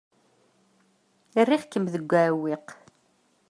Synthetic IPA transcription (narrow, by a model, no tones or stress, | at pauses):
irːiχkːəmðəɡʷːæwiq